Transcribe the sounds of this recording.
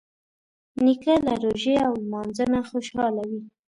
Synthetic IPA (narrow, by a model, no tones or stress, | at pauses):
nikəlaɾoʒeawlmɑnzənaxoʃɑlawi